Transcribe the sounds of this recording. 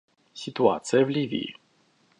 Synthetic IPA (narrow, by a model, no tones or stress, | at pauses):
sʲit̪ua̰t̪sɨjəvlʲivʲḭḭ